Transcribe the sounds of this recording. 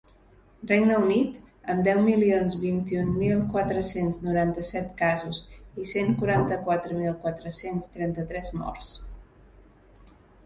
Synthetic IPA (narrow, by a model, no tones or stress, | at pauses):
rreɡnəunit̪əmd̪ɛwmilionzβint̪iunmilˠkwat̪ɾəsenznuɾant̪əsɛt̪kazuziseŋkuɾant̪əkwat̪ɾəmilˠkwat̪ɾəsenst̪ɾɛnt̪ət̪ɾɛzmɔ̰rs